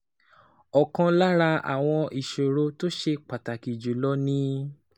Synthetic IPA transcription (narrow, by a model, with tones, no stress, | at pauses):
ɔ˨kã˧la˦ɾa˧a̰˨w̃ɔ̃˧ʔi˨ʃo˨ɾo˧˦to˦ʃe˧k͡pa˨ta˨ki˨d͡ʒu˨˦lɔ˦nĩ˦